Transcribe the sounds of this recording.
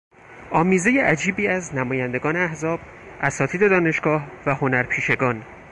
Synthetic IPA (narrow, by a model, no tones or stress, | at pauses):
ʔɒːmiːze̞jeʔæd͡ʒiːbiːæznæmɒːjænd̪e̞ɡɒːneæhzɒːb̥ | ʔæsɒːt̪ʰiːd̪e̞d̪ɒːne̞ʃɡ̥ɒːhvæho̞næɾpʰiːʃe̞ɡɒːn